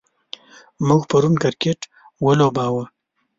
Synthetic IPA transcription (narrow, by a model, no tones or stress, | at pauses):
muɡpaɾunkaɾkeʈ | wəlobɑwə